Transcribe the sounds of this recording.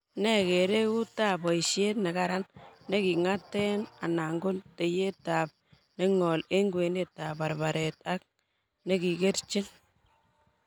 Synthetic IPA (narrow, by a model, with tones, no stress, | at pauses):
nɛ˨ke˨ɾe˦ku˦ta˦pɔ˨i˨ʃje˦tne˨ka˦ɾa˦nːe˦ki˨ŋa˦tːɛ˦na˨na˨ŋɡo˦nte˨je˦ta˨p̚ | ne˦ŋɔ˨le˦ŋɡwe˨ne˦ta˨ba˨ɾba˨ɾʔe˨t̚a˦k̚ | ne˦ki˨ke˦ɾt͡ʃi˦n